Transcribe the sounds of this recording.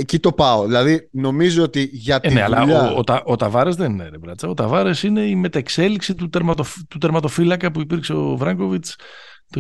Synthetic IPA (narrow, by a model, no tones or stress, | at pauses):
ecit̪o̞pɐoðilɐðino̞mizoot̪iʝɐt̪neɐ̰lɐoot̪ɐʔot̪ɐvɐɾe̞zðenineɾevɾɐt͡sɐot̪ɐvɐɾe̞sine̞ime̞t̪ɐekse̞liksit̪ut̪eɾmɐt̪oft̪ut̪eɾmɐt̪o̞filɐkɐpuipiɾkse̞o̞vɾɐŋko̞vit͡s | t̪o